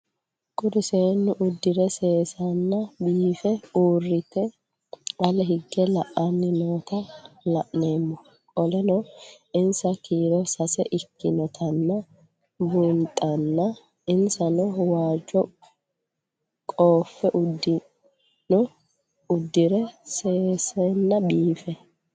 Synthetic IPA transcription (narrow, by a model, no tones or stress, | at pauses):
kʼʊɾɪseːnːʊʔʊd̪ːɪɾɛse̞ːsɐnːɐbiːfɛuːrːɪt̪ːɛ | ɐlɛɦɪɡːɛlɐʔɐnːɪnoːt̪ɐlɐʔne̞ːmːɔ | kʼɔlɛnɔ | ɪnsɐkiːɾɔsɐsɛʔɪkːɪnɔt̪ʰɐnːɐ | bunt̪ʼɐnːɐ | ɪnsɐnɔwaːd͡ʒɔ | kʼoːfːɛʔʊd̪ːɪ | nɔ | ʊd̪ːɪɾɛseːsɛnːɐbiːfɛ